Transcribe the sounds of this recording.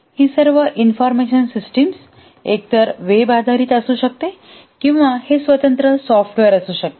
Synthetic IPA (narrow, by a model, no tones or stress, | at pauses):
hiːsəɾʋəʔinfɔɾmeʃənsisʈəms | ek̚t̪əɾʋebad̪ʱaɾiːt̪əsuɕək̚t̪e | kĩw̃ʋahesʋət̪ənt̪ɾəsɔfʈʋeɾəsuɕək̚t̪e